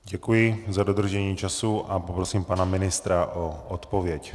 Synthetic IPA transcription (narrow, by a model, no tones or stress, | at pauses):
ɟɛkujɪzadod̪r̩ʒɛɲiːt͡ʃasuʔapopɾosiːmpanamɪnɪst̪ɾaʔoʔot̪povjɛc